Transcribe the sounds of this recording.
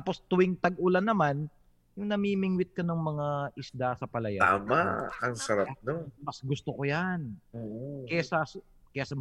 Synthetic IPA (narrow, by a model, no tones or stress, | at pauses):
apo̞st̪ʊwɪŋt̪ɐɡ̚ʔʊlanːɐman | jʊŋnɐmiːmɪŋwɪt̪̚kɐnɐŋmɐŋaʔɪsd̪asɐpɐlɐjat̪a̰ːmaɐŋsɐɾap̚nomɐsɡʊst̪okojanokɐjasɐs | kɐjasɐm